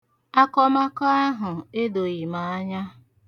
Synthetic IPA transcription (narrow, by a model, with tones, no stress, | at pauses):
a˦kɔ˦ma˦kɔ˦a˦ɦʊ˨e˦do˨ɣi˨ma˨a˦ɲa˦